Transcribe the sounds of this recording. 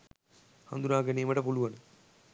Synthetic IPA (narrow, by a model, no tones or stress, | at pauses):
hɐnd̪unaːɡɐnimɐʈɐpuluʋɐnɨ